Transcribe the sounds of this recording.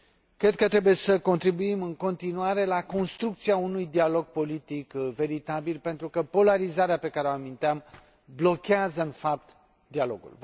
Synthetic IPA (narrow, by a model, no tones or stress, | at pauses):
kɾe̞d̪̚kət̪ɾe̞buje̞səko̞nt̪ɾibuimɨŋko̞nt̪inuaɾe̞lako̞nst̪ɾuk̚t̪siaunujd̪ialo̞ɡ̚po̞lit̪ikve̞ɾit̪abilpe̞nt̪ɾukəpo̞laɾizaɾeape̞kaɾeoamint̪eam | blo̞kʲeazəɨnfap̚t̪ | d̪ialo̞̰ɡṵl